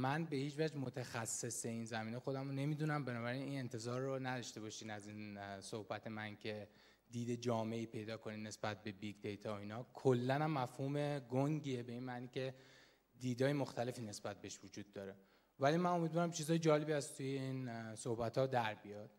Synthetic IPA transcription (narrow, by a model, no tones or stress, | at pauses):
mænbe̞hiːd͡ʒvæd͡ʒmot̪ʰexæsːe̞se̞iːnzæmiːnexo̞d̪æmone̞miːd̪unæmbe̞nɒːbæɾiniːne̞nt̪ʰe̞zɒːɾːonæd̪ɒʃt̪e̞bɒʃiːnæziːnsohbæt̪ʰe̞mæncʰe̞ | d̪iːd̪ed͡ʒɒːme̞iːpʰe̞jd̪ɒːkʰo̞niːne̞sbæt̪̚be̞biɡd̪ejt̪ʰɒiːnɒːkʰolːænæmːæfhuːme̞ɡoŋɟiebe̞iːnmæʔniːcʰe̞ | d̪iːd̪ɒːjemo̞xt̪æle̞fiːne̞sbæt̪̚beeʃvod͡ʒuːd̪ːɒːɾe̞ | vælimæno̞miːd̪vɒːɾæmt͡ʃʰizɒːjed͡ʒɒːle̞biæst̪ʰujeinsohbæt̪ʰhɒːd̪æɾbijɒd̪̥